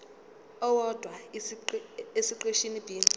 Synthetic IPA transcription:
ɔwɔd̥ʱwa | esiǃeʃinib̥ʱiːmʱʼ

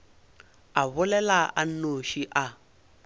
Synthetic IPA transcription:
aβʊlɛlaʔanoʃiʔa

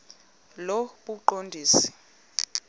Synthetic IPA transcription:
loɓuǃondʱiːsi̥

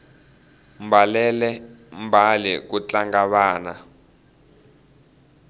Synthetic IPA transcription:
m̩balɛlɛm̩bʱalik̬ut͡ɬʼaŋɡaɓaːna

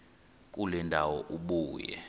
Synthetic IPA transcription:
k̬ʼulɛndʱawɔʔuɓuːjɛ̰

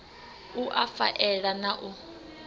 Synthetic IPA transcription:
uʔafa̰ʔɛɺanaʔu

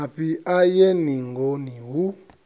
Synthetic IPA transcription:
apiajeniŋɡoniwu

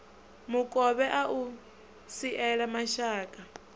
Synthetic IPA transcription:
mukʼɔβɛʔaʔu | siʔɛɺamaʃaːkʼa

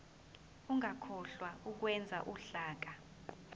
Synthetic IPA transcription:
uŋakʰɔɬwauk̬wɛnd͡zʱa̰ʔuɬaːk̬a

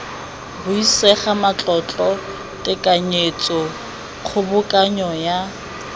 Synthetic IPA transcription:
bʊisɛχamat͡ɬʼɔt͡ɬʼɔ | tʼɪkʼaɲet͡sʼɔ | χʰʊbʊkʼaɲɔja

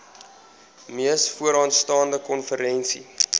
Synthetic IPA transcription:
miəsfuəɾɑːntstɑːndəkɔnfəɾɛnsḭ

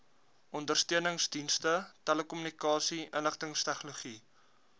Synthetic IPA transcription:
ʔɔndərstøənəŋsdinstətæləkɔmynikɑːsiʔənləχtəŋstɛχnoluχi

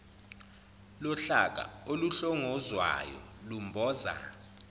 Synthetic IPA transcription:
lɔɬak̬a̰oluɬɔŋɔzwa̰jɔ̰lumbʱɔːza̰

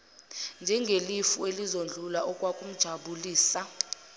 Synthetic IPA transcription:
nd͡ʒʱɛŋɡʱelifuelizond͡ɮʱulaʔɔkʼwakʼum̩d̥ʒ̥ʱaɓuliːsa

